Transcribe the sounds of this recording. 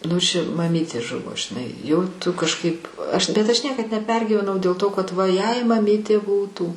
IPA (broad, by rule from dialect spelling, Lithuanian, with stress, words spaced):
nʊ ˈʃʲɪ mɐˈmʲiːtʲeː ˈʒʊʋoː ʒʲɪˈnɐɪ jɛʊ ˈtʊ kɐʃˈkɐɪp ɐʃ bʲɛt ˈɐʃ ˈnʲiɛkɐt nʲɛˈpʲɛrʲɡʲiːʋʲɛnɐʊ dʲeːlˠ ˈtoː kɐt ˈʋɐ jɛɪ mɐˈmʲiːtʲeː ˈbuːtuː